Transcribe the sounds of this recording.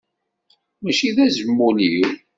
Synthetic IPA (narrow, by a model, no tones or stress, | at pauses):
mæʃiðæzəmːuliw